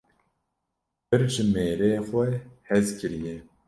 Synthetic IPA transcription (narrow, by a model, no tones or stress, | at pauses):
bɨɾʒɪmeːɾeːxʷɛhɛzkʰɨɾijɛ